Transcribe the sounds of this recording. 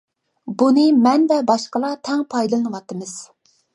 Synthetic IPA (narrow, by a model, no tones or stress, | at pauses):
bunɨmɛnvɛbɑʃqəlˠɑt̪ʰɛŋpʰɑjd̪ɨlˠɨnɨwɑt̪ɨmɨz̥